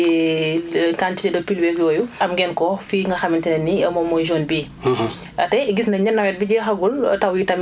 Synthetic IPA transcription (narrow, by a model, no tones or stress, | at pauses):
kantitɛdɐpilwɛkjɔːjuɐmɡɛnkɔfiŋɡɐxɐmintɛnɛnːiɐmɔmɔʒɔːnbiː | ɐtɛɡisnɐɲɐnːɐwɛt̚biɟɛxɐɡultɐwitɐm